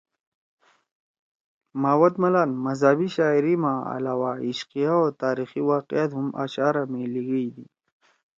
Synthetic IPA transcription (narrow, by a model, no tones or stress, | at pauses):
maːwɐd̪mɐlaːnmɐzabiɕaːiɾimãːa̰laːwaiʃqijaot̪aːɾixiwaːqijat̪ɦumʔa̰ɕaːɾameliɡəid̪i